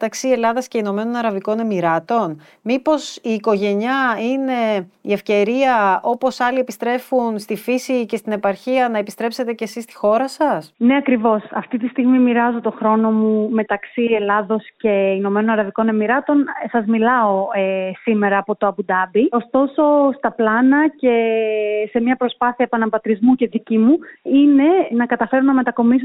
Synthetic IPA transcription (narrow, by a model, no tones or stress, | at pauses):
et̪ɐksie̞lɐðɐsce̞ino̞me̞no̞nɐɾɐviko̞ne̞miɾɐt̪o̞n | mipo̞siːko̞ʝe̞ɲɐine̞ie̞fce̞ɾiɐʔo̞po̞sɐlie̞pist̪ɾe̞funst̪ifisice̞st̪ine̞pɐɾçiɐnɐe̞pist̪ɾe̞pse̞t̪e̞ce̞sist̪i̥xo̞ɾɐsɐsne̞ɐkɾivo̞sɐft̪it̪ist̪iɣmimiɾɐzo̞t̪o̞xɾo̞no̞mume̞t̪ɐksie̞lɐðo̞sce̞ino̞me̞no̞nɐɾɐviko̞ne̞miɾɐt̪o̞nsɐzmilɐo̞esime̞ɾɐːpo̞t̪o̞ɐbud̪ɐbio̞st̪o̞so̞st̪ɐplɐnɐce̞se̞mɲɐpɾo̞spɐθiɐepɐnɐbɐt̪ɾizmuce̞ðicimuine̞nɐkɐt̪ɐfe̞ɾonɐme̞t̪ɐko̞mis̬o